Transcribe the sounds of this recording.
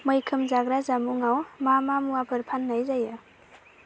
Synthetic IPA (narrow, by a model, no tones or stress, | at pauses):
məjkʰɯmzaɡɾazamuŋawmamamuabʰʱɯɾpʰanːajzajɯ